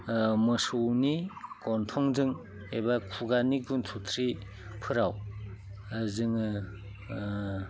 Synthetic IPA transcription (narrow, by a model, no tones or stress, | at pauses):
mɯsuwnikɔntʰɔŋzɯŋ | ebakʰuɡaniɡuntʰutʰɾi | pʰɯɾaw | azɯŋɯ